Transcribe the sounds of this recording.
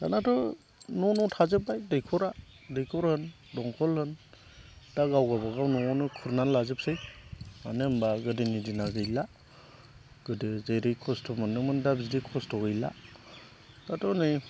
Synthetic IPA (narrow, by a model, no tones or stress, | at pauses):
ka̰natɔ | nɔnɔtʰazɯpːajdɯjkʰɔɾa | dɯjkʰɔɾhɯn | dɔŋkʰɔlhɯn | d̥aɡawɡabaɡawnɔɔnɯkʰɯɾnanlazɯp̚sɯjmanɯmbaɡɯdinidinaɡɯjla | ɡ̥ɯdɯzejɾɯkʰɔstʰɔmɯnɯmɯndabzidikʰɔstʰɔɡɯjla̰ | ɡatʰɔnɯ